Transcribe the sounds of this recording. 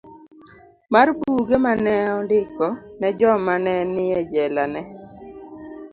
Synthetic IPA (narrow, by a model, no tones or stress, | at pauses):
marbuɡemanɛɔndɪkɔnɛd͡ʒɔmanɛnɪɛd͡ʒɛlanɛ